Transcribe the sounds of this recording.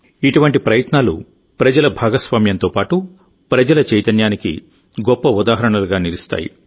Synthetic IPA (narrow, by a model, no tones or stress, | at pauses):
iʈuʋɐɳʈipɾɐjɐt̪naːlṵ | pɾɐd͡ʒɐlɐbʱaːɡɐsʋaːmjɐnt̪o̞ːpaːʈu | pɾɐd͡ʒɐlɐt͡ʃɐjt̪ɐnjaːnikḭ | ɡɔpːɐud̪aːɦɐɾɐɳɐluɡaːnilist̪a̰ːjḭ